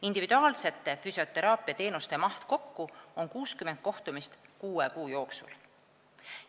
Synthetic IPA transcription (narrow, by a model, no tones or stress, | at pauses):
ind̪̥ivid̪̥uɑːlse̞t̪ːe̞fysjo̞t̪e̞ɾɑːpːˑiɑt̪e̞ːnust̪emɑht̪ko̞kːuo̞ŋkuːskymend̪̥̚ko̞ht̪umist̪kuːekuːjo̞ːksṵl